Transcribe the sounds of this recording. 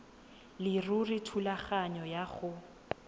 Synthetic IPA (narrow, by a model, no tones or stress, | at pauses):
lɪrurɪtʰulaχaɲɔjaχʊ